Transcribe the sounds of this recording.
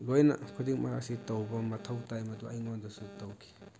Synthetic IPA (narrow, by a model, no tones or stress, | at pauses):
lojnɐ̰kʰudiŋmʔa̰ɾa̰ksitɐwbɐmɐtʰɐwtajmɐduajŋɔndusutɐwkʰi̥